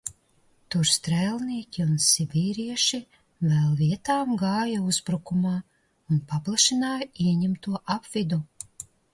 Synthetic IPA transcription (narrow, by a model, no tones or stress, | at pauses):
t̪uɾst̪ɾælˠniɛkʲiunsʲibʲiːɾiɛʃi | vɛlˠvʲiɛt̪aːmɡɑːjauzbɾukumɑː | unpaplˠaʃinaːjiɛɲimt̪uɔʔapvid̪u